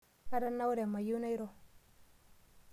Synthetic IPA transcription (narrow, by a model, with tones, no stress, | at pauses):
ka˦da˦nːa˦wu˦ɾe˨mːa˨ju˦na˦i˦ɾo˦˨